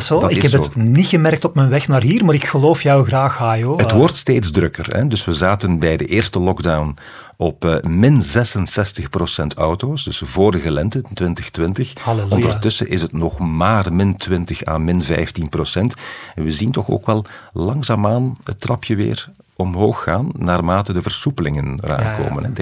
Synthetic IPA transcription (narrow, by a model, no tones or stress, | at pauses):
sodɪɛənitxəmɛɾk̚tɔpmɛnʋɛxnaːrɦiːrmaːɾɪkxəloːfjœwɣraːxhaːjoətʋɔrtsteːtzdrɵkərɛ̰dɵsʋəzaːtənbɛjdə̰ʔɪːrstəlɔɡdawn | ɔpːmɪnzɛsənsɛstəxprosɛntʰɔwtoːsdɵsvoːɾəɣəlɛntətʋɪntəxtʋɪntəxɔndərtɵsə̰ʔɪsətnɔxmaːrmɪntʋɪntəxa̰ːnmɪnvɛ̰jftinprosɛntɛnʋəzintɔxo̰ːkʋɛlˠlɑŋzaːmaːnə̰tːrɑpjəʋɪ̰ːr | ɔmɦoːxːaːnːaːrmaːtədəvərsupəlɪŋənəra̰ːnko̰ːmə̰nɦɛ